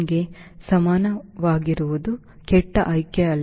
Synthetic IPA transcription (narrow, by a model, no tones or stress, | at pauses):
ɡe̞sɐmaːnɐʋaːɡiɾuʋud̪u | kɛʈːɐʔɐjkjɐɐl